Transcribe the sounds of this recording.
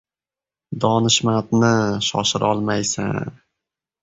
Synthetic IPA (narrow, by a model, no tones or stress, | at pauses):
d̪ɒnɪʃmat̪nɪʃɒʃɪɾʔɒlˠmajsa̰